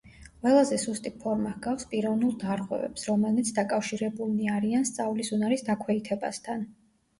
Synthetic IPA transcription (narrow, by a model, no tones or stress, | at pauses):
qʼwɛlˠazɛsust̪ʼipʰɔɾmahɡafspʼiɾɔvnulˠd̪aɾʁwɛ̰vɛ̰psɾɔmɛlit̪sʰd̪akʼafʃiɾɛbulˠmiaɾianst̪sʼavlisunaɾisd̪akʰwɛit̪ʰɛba̰st̪ʰan